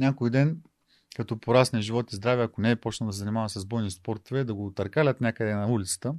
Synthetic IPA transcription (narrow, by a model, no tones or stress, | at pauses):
nʲakojd̪ɛn | kɐt̪ɔpoɾasnʲɛʒivɔt̪izd̪ɾavɛɐkonɛːpɔt͡ʃnɐlˠd̪s̬ɛzɐnimavɐmsɐzbɔjnispɔɾt̪ovɛd̪ɐɡot̪ɐɾkalʲət̪nʲakəd̪ɛnɐulʲit̪sə̥t̪ə